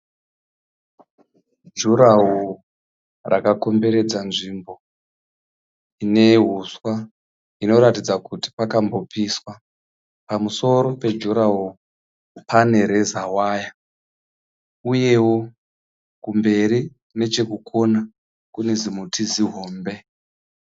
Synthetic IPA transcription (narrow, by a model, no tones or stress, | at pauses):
d͡ʒuɾawo | rakako̞mbe̞ɾe̞d͡zanʐimbo̞ | ine̞ɦuswa | ino̞ɾatid͡zakuti̥pakambo̞piːswa | pamuso̞ɾo̞pe̞d͡ʒuɾaɦo | pane̞ɾe̞zawaːja | uje̞wo̞ | kumbe̞ɾi | ne̞t͡ʃe̞kukʰo̞na | kune̞zimutʰiziɦo̞ːmbe̞